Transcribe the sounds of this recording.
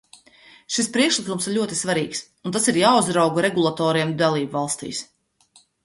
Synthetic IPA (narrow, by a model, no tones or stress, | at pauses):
ʃispɾiɛkʃlˠikumsiɾʎʲuɔt̪i̥svaɾiːks | ũnt̪asiɾjaːuzɾawɡuɾɛɡulˠat̪ɔːɾiɛmd̪alˠiːbvalˠst̪ḭːs